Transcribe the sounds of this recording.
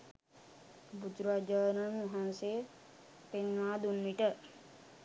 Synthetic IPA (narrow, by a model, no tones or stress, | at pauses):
bud͡ʒɾad͡ʒəːnənuɦanse | penʋaːd̪unːiʈə